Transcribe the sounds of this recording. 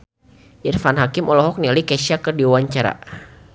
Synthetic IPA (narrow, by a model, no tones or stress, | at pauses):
ʔirfanɦakɪmʔɔlɔɦɔk̚nialikɛsiakərdiuwaɲt͡ʃaɾa̰